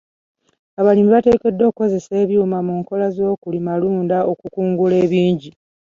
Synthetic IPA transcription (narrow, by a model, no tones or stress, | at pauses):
aβalimiβate̞ːke̞dːo̞ːkkːo̞ze̞se̞ːβjuːmamuːŋko̞lazo̞ːkulimaluːndaʔo̞kukuːŋɡule̞ːβiːɲɟi